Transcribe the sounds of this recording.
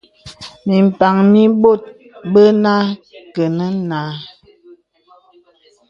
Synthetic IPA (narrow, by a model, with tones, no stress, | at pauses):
mi˨m̩˨pa˨ŋmi˦bo˦˨t̚ | bə˦na˦kə˨nə˦na˨˦